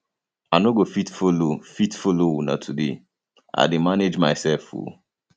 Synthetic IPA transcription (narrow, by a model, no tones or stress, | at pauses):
anoɡofitfolofitfolowunã̰tʰudḛ | a̰ɪdimaned͡ʒmaɪsɛlfṵ